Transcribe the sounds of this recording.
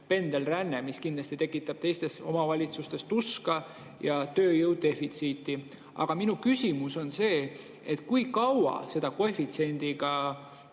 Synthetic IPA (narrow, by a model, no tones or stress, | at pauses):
pe̞nd̪̥e̞lrænːemiskind̪lɑst̪it̪e̞kːˑit̪ːˑɑb̥t̪e̞jst̪e̞so̞̰mɑvɑlʲit̪sust̪e̞st̪uskɑ | jɑt̪ø̞ːjɤwd̪̚d̪e̞fit̪siːt̪ːi | ɑ̰ɡ̥ɑminukysʲimuso̞nse̞ː | et̪ːˑkujkɑwɑ̰se̞d̪̥ɑkoefit̪se̞nd̪̥iɡ̥ɑ